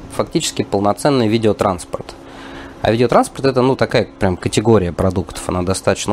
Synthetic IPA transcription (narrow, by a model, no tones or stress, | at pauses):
fɐktʲit͡ɕɪ̥skʲɪpəlˠnɐt̪sɛnːɨjvʲidʲɪot̪ɾʔanspərt̪ | ɐ̰vʲidʲɪot̪ɾanspərt̪ɛt̪ənut̪ɐkajəpɾʲamkətʲɪɡo̞ɾʲɪjəpɾɐd̪ukt̪ə̥fɐ̰nad̪ɐst̪at̪ət͡ɕnə